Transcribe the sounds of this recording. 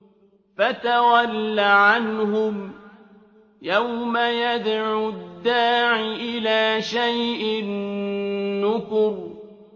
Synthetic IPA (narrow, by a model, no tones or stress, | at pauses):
fat̪awalːaʕanhʊm | jawmajad̪ʕʊd̪ːaːʕiʔɪlaːʃajʔɪnː | ʊkʊɾ